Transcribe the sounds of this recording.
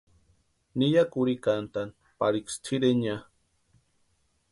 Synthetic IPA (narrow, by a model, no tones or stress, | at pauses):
nijakuɾikant̪an | paɾikst͡sʰiɾeɲa